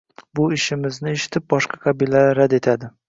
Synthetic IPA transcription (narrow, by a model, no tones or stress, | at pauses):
bʊɪʃɪmɪznɪe̞ʃɪ̥t̪ʰɪp̚bɒʃqʰɑqʰɑbilaaɾad̪e̞t̪ʰad̪ɪ